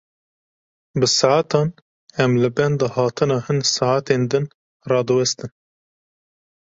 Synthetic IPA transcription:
bɨsɨʕat̪ʰɑːn | ɛmlɨbɛnd̪ɨhɑːt̪ʰɨnɑːhɨnsɨʕat̪eːnd̪ɨn | rɑːd̪ɨwɛst̪ɨn

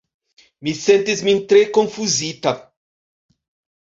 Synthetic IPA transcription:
misẽnt̪izmĩnt̪ɾekõŋfuzit̪ɐ

